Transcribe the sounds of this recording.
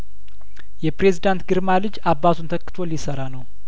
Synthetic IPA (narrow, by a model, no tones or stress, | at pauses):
jɛpɾe̞zid̪ant̪ɡɨɾmalɨd͡ʒabːat̪ʰunt̪ʰəkːɨ̥t̪ʰo̞lɪsəɾanəw